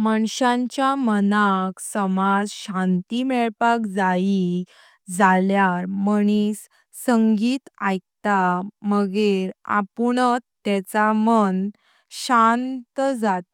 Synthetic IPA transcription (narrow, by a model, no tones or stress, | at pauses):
məɳɕãɲt͡ɕjamənaksəmad͡zɕãnt̪imɛɭpakd͡zai | d͡zaljaɾməɽ̃is | səŋɡiːt̪ajk̚t̪aməɡeɾa̰puɳət̪ːɛt͡samən | ɕant̪d͡zat̪̚